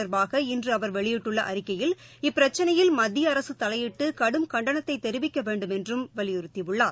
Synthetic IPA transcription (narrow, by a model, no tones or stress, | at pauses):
ɐɾbaːɣɐɪndrɯɐʋɐɾʋɛɭɪjɪʈːɯɭːɐʔɐɾɪkːɐjɪl | ɪpːɪɾɐt͡ʃːɐnɐjɪlmɐd̪ːɪjɐːɾɐsɯt̪ɐlɐjɪʈːɯkɐɽɯmkɐɳɖɐnɐt̪ːɐɪt̪ːɛɾɪʋɪkːɐʋeːɳɖɯmɛndrɯmʋɐɭɪjɪɾɯt̪ːɪʋɯɭːaː